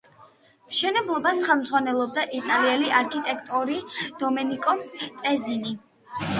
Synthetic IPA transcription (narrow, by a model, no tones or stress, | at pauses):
mʃɛnɛblˠɔbasχɛlˠmd̪zʁwanɛlˠɔb̚d̪aʔit̪ʼaliɛliʔaɾkʰit̪ʼɛkʰt̪ʼuɾid̪̥ɔmɛnikʼɔmt̪ʼɛzini